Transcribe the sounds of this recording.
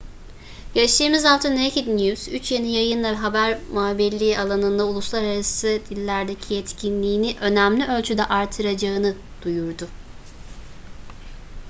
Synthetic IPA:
jaʃt̪ʰɯːmizalˠt̪ʰɯnːejkid̪njuz̥yt͡ʃjenijajɯnlˠaɦabæɾmaːbilʲːialˠanɯnd̪aulˠuslˠaɾaɾasɯd̪̥ilʲːæɾd̪ecʰiɛt̪cʰinlʲiːniʔø̞næmlʲiø̞lʲt͡ʃʰyd̪ɛʔaɾt̪ʰɯɾad͡ʒaɯnɯ | d̪̥ujuɾd̪ʊ

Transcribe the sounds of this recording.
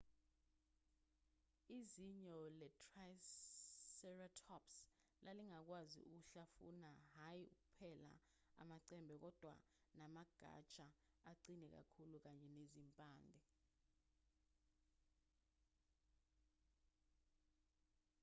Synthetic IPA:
iziɲɔlɛtʰʼraj | sɛratʰɔps | lʔaliŋak̬wazḭuk̬uɬafṵnaɦajiṵk̬upʰɛla̰ | a̰maǀɛmbʱɛk̬ɔd̥ʱwa̰ | namaɡ̥ʱa̰t͡ʃʼaaǀinɛk̬a̰kʰuluk̬aɲɛnezimpʼaːndʱɛ

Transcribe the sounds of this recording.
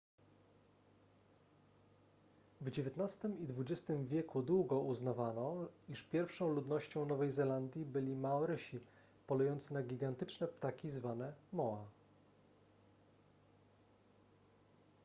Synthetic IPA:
vd͡ʑevʲjɛt̪nast̪ɘmid̪vud͡ʑɛst̪ɘmvʲjɛkud̪wuɡɔuznavanɔiʂpʲjɛɾfʂɔ̃w̃lud̪nɔɕt͡ɕɔ̃w̃nɔvɛjzɛland̪ʲjibɘlʲimaɔɾɘɕi | pɔlujɔnt̪sɘnaɡʲiɡant̪ɘt͡ʂnɛpt̪akʲizvanɛmɔa

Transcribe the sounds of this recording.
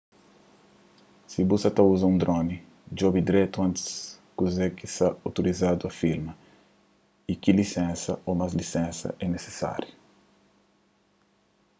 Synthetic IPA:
sibusɐt̪ɐuzɐũnd̪ɾõni | d͡ʒobid̪ɾɛt̪uɐ̃nt̪i̥s | kuzɛkisɐot̪oɾizad̪uɐfiɾmɐ | ikilisɛ̃nsɐomazlisẽnsɐ̰ʔɛnese̥sa̰ɾju

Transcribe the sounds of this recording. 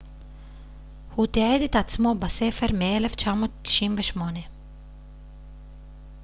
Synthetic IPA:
hut̪iaed̪et̪at͡smobaseːfeɾmeeleft͡ʃaːmoːt̪t̪ːi̥ʃinveʃmone

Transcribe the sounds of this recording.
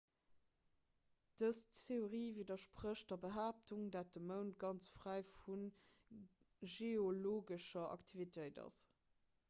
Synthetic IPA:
d̥əsteoʁiːvidɐʃpʁəɕdɐbəɦaːp̚tʰuŋdaːt̚dəməʊntɡ̥ɑnt͡sfʁ̥æɪfun | ʒeoloːɡəʃɐʔɑ̰ktʰivitʰəɪdɑ̰s

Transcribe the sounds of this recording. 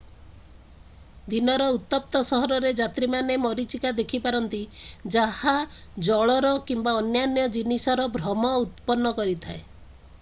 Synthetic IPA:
d̪inɔɾɔut̪ːɔp̚t̪ɔsɔɦɔɾɔɾed͡ʒat̪ɾimanemɔɾit͡ʃikad̪ekʰipaɾɔnt̪id͡ʒahad͡ʒɔɭɔɾɔkimbaɔnjanjɔd͡ʒinisɔɾɔbʱɾɔmɔut̪pɔnːɔkɔɾit̪ʰae

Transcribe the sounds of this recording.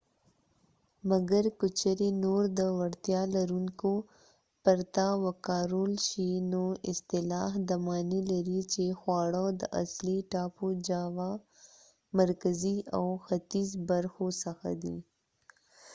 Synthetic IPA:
mɐɡəɾkʊt͡ʃəɾinoːɾd̪əwɐɽt̪jalɐɾuŋko | pɐɾt̪awɐkaːɾoːlʃinoɪst̪ɪlaːɦd̪ɐmaːnilɐɾit͡ʃexwaːɽod̪əʔɐ̰sliʈaːpod͡ʒaːwa | mɐɾkəziawxɐt̪izbɐɾxosɐxa̰d̪i

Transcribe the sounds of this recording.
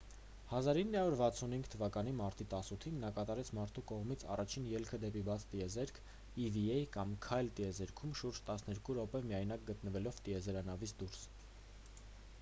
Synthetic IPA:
hɑzɑɾinːɑuɾvɑt͡sʰunhiŋɡt̪ʰəvɑkɑn̪imɑɾt̪it̪ɑsut̪ʰinːɑkɑt̪ɑɾɛt͡sʰmɑɾt̪ʰukɔʁmit͡sʰɑ̰rɑt͡ʃʰinjɛlkʰəd̪ɛpibɑt͡sʰt̪iɛzɛɾkʰ | iviɛjkɑmkʰɑjlt̪iɛzɛɾkʰumʃuɾd͡ʒt̪ɑsnɛɾkuɾɔpɛmijɑjnɑk̚ɡət̪nəvɛlɔvt̪iɛzɛɾɑnɑvit͡sʰd̪uɾs

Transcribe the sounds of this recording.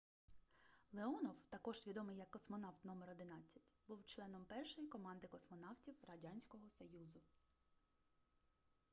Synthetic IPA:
lˠeɔnɔwt̪ɐkɔʒ̥zʲʋʲid̪ɔmɪjɐkːɔsmɔnɑwt̪nɔmeɾɔd̪ɪnɑt͡sʲːɐtʲbuwt͡ʃlˠɛnɔmpɛrʃɔjikɔmɑnd̪ɪkɔsmɔnɑwtʲiwrɐdʲɑnʲsʲkɔɦɔsɔjuzʊ

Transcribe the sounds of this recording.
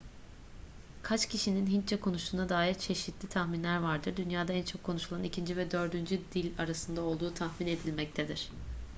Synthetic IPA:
kʰat͡ʃcʰiʃininɦint͡ʃʰɛkʰo̞nuʃuːnad̪aːiɾt͡ʃʰe̞ʃit̪ʰlʲit̪ʰaxminlʲæɾvaɾd̪ɯɾd̪ynjaːd̪aænt͡ʃʰo̞kʰːo̞nuʃulˠanicʰind͡ʒivɛd̪ø̞ɾd̪ynd͡ʒyd̪ilʲaɾasɯnd̪ao̞lˠd̪uːt̪ʰaxmine̞d̪ilʲmɛc̚t̪ʰed̪iɾ̥

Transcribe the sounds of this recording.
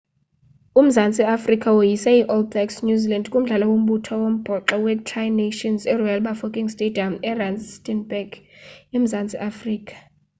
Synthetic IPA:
um̩zant͡sʼiafrikʼawojisaiʔɔldɛksnjuzilandkʼum̩ɮalawom̩ɓutʰɔwom̩b̥ʱɔǁɔwɛtʰrajneʃɔnzɛrɔjalɓafokʼiŋstʼediamɛransstʼɛnbɛɡem̩zant͡sʼiʔafriːkʰʼḁ

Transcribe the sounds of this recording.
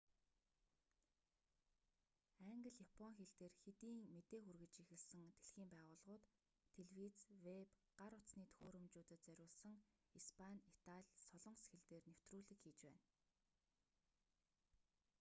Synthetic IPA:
æŋɡə̆ɮjapʰɔŋxeɮt̪eːrxet̪iːŋmet̪eːxurɣɘ̆t͡ɕixɘ̆ɮsɘ̆ŋt̪ʰeɮxiːmpæːʁʊːɮʁʊːt̪ʰː | eɮwiːt͡swepɢ̥aɾʊt͡sniːt̪ʰxoːɾɵ̆mt͡ɕuːt̪ɘ̆t̪̚t͡sœɾʲʊːɮsə̆ŋispʰanit̪ʰaɮʲsɔɮɞ̆ɴsxĕɮt̪eːrnew̥t̪ruːɮɘ̆kxiːt͡ɕpæ̰ːn

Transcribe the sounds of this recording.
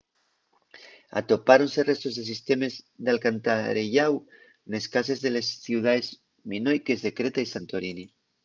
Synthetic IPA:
a̰t̪o̞paɾonse̞re̞st̪o̞zðes̬ist̪e̞me̞zðalkant̪aɾeʝaw | ne̞skase̞zðelesθjuwðaez | minojke̞zðe̞kɾet̪aisant̪oɾini

